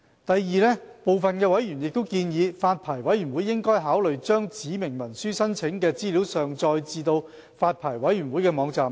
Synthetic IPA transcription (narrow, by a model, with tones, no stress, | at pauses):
t̪ɐ˨jːiː˨˧lɛː˥po˨wfɐ˨nkɛː˧wɐ˨˥jyː˨˩njɪ˨k̚t̪o˥wkiː˧njiː˨˧faː˧t̚pʰaː˨˩jwɐ˨˥jɥyː˨˩nwuː˨˥jːɪ˥ŋkɔː˥jɦaː˨˥wlɵ˨ɥt͡ʃœː˥ŋt͡siː˨˥mɪ˨˩ŋmɐ˨˩nsyː˥sɐ˥nt͡sʰɪ˨˥ŋkɛː˧t͡siː˥liː˨˥wsœː˨ŋt͡sɔː˧jt͡siː˧t̪o˧w | faː˧t̚pʰaː˨˩jwɐ˨˥jyː˨˩nwuː˨˥jkɛː˧mɔː˨˧ŋt͡saː˨m